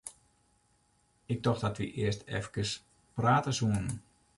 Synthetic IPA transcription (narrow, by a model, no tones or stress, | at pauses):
ɪk̚tɔxdɔtʋḭʔɪəstɛ̰fkəs | praːtəsuən